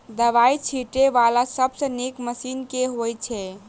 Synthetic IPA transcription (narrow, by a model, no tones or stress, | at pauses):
d̪əʋait͡ʃʰiʈeʋalasəbsə̃nekməsinkeɦojt͡ʃʰɛ